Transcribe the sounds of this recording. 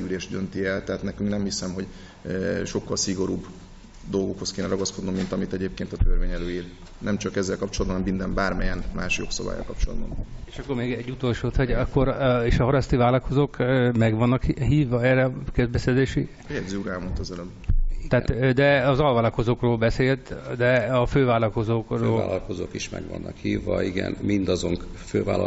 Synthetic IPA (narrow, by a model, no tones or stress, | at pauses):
yleːʒd̪ønt̪iɛlt̪ɛɦaːt̪nɛkyŋknɛmhisɛmho̞ɟ | ʃo̞kːɒlsiɡo̞ɾuːb | d̪o̞lɡokho̞skeːnɛɾɒɡɒsko̞d̪nomːint̪ɒmit̪ɛɟeːp̚keːnt̪ɒt̪ørveːɲɛløːiːl | nɛmt͡ʃɒkɛzːɛlkɒpt͡ʃold̪bɒnɛmːind̪ɛmbaːrmɛjɛnmaːʃjo̞ksɒba̰ːjɒ̰lkɒp̚t͡ʃolɒ̰d̪bɒ̰neːʃɒkːo̞rmeːɡɛɟːut̪olʃoːt̪hoɟɒkːo̞ɾeːʃɒɦɒɾɒst̪ivaːlɒko̞zoːkmɛɡʋɒnːɒkɦiːvːɒɛrːɛkɛzbɛserzeːʃi | ɛɡziuːɾɛlmont̪ɒzɛløb | t̪ɛːt̪d̪ɛɒzɒlvaːlɒko̞zoːkroːlbɛseːlt̪d̪ɛɒføːvaːlɒlko̞zoːkraːlɒlkozoːkiʃmɛ̰ɡʋɒ̰nːʔɒkhiːvːɒiɡɛ̰nmind̪ɒzo̞ŋkføːva̰ːlɒ